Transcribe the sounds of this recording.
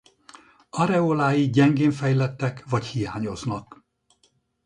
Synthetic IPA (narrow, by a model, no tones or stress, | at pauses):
ɒɾɛoːlaːjiɟɛŋɡeːɱfɛjlɛt̪ːɛkʋɒchijaːɲo̞znɒk